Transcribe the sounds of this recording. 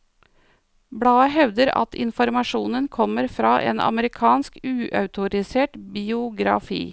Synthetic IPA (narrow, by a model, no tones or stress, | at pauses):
bɽɑːəɦɛʋd̪əɾɑ̰t̪ʰɪ̰nfɔɾmɑʂuːnənkʰɔməɾfɾɑːʔḛːnʔɑ̰məɾɪkʰɑːnskʉːʔœʉt̪ʊɾɪseːʈbɪʊɡɾɑ̰fḭː